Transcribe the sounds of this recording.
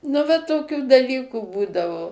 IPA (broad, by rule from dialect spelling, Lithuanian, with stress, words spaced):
nʊ ʋɐ toːˈkʲuː dɐˈlʲiːkuː ˈbuːdɐʋoː